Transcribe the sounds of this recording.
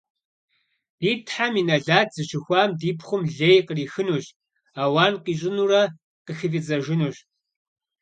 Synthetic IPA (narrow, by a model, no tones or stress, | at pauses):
d̥iːtʰħamiːnɐɮaːtʰz̥ɨʃɪxʷɑːmdiːpʰχʷʊmɮeːjqəriːxɨnuːɕ | aːwaːnqiːɕ̬ʼɪnuːrɐ | qəxɨvid͡zɐʒɪnuːɕ